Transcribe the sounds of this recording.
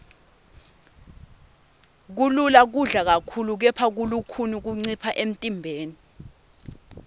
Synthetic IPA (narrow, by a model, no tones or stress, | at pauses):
k̬ululak̬uɮak̬akʰuluk̬ɛpʰak̬ulukʰunik̬uŋ͡ǀipʰaʔem̩tʼimbʱeːni